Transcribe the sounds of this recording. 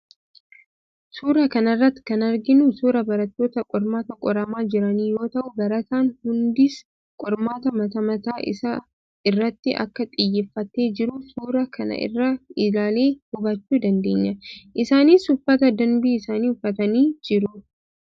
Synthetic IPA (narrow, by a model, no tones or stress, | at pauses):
suːɾɐkɐnɐrːɐt̪ːɪ̥kɐnɐɾɡɪnʊsuːɾɐbɐɾɐt̪ːo̞ːt̪ɐkʼɔɾmaːt̪ɐkʼɔɾɐmaːd͡ʒɪɾɐniːjo̞ːt̪ɐʔʊbɐɾɐt̪aːnhʊnd̪ɪs | kʼɔɾmaːt̪ɐmɐt̪ɐmɐt̪aːʔɪ̰sɐ | ɪrːɐt̪ːɪʔɐ̰kːɐt̪ʼɪjːɛfːɐt̪ːe̞ːd͡ʒɪɾʊsuːɾɐkʰɐnɐ̰ʔɪ̰rːɐɪlaːle̞ːhʊbɐt͡ʃːuːd̪ɐnd̪e̞ːɲːɐʔɪsaːniːsʊfːɐt̪ɐd̪ɐnbiːɪsaːniːʊfːɐt̪ɐniːd͡ʒɪɾʊ